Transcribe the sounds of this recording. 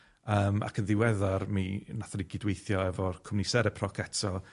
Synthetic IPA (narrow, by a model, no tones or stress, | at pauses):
əːma̰kʰənðɪwɛðarminaθaniɡɪdwejθjɔɛvɔkʰʊmnisɛɾɛpʰrɔkʰɛtʰɔlˠ